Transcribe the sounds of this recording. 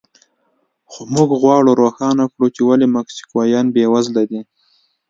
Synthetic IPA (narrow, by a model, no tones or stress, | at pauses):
xomuɡɣwɑɽoɾoxɑnakɽut͡ʃewalemaksi̥kwɑjɑnbewazlad̪i